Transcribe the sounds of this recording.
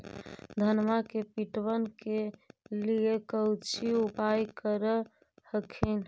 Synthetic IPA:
d̪ʱənmakepiʈwənkeliekəut͡ʃʰiupajkəɾə | həkʰin

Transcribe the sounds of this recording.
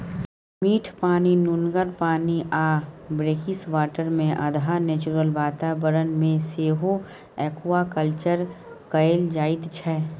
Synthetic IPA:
miːʈʰpaːninʊnɡəɾpaːniʔaːbɾeːkɪsʋaːʈəɾmẽʔɐ̰d̪ʱanɛːt͡ʃuɾəlbaːt̪aːbəɾənmẽseːɦo | ɛːkuwakəlt͡ʃəɾ | kəjld͡ʒaːɪt̪t͡ʃʰɛː

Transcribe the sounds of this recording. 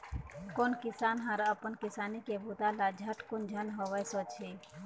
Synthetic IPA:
koːnkisaːnɦaɾəpənkisaːnikebʱut̪alad͡ʒʱəʈkund͡ʒʱənɦoʋəjsɔt͡ʃʰi

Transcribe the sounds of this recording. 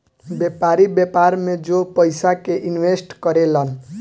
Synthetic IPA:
bjɛpaɾibepaɾmẽd͡ʒopəɪsakeʔɪnʋesʈkəɾelən

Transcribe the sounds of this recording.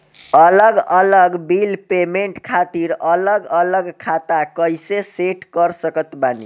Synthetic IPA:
ələɡələɡbilpemeɳʈkʰat̪iɾələɡələɡkʰat̪akəjseseʈkəɾsəkət̪banḭ

